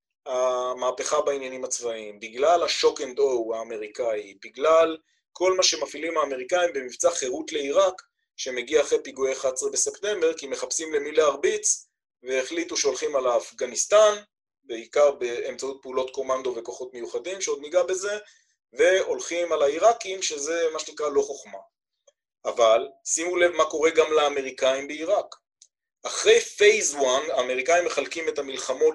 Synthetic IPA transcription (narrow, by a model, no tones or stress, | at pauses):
amaːpeχabainjanimat͡svaimbiɡlalaʃo̞kend̪owaːme̞ʁikaibiɡlal | kʰo̞lmaʃe̞mafilimhaːme̞ʁikaimbe̞mivt͡saχe̞ʁut̪le̞iʁak | ʃe̞me̞ɡiaːχʁepiɡueχat͡sʁebe̞septe̞mbe̞ʁkime̞χapsimle̞mileaʁbit͡s | veːχlituʃeo̞lχimalaːfɡanist̪an | beikaʁbeːmt͡saut̚peulo̞t̪ko̞mand̪o̞ve̞koχo̞tme̞juχadimʃeo̞d̪niɡabe̞ze̞ | ve̞o̞lχimalaiʁakimʃeze̞maʃenikʁalo̞χoχma | avalsimulevmako̞ʁe̞ɡamleːme̞ʁikaimbeiʁak | aχʁejfejzwanaːmeʁikaimːe̞χalkimetamilχamo̞t